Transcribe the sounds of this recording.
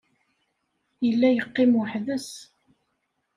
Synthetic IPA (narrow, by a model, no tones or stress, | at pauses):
jəlːæjəqːɪmwəħðəs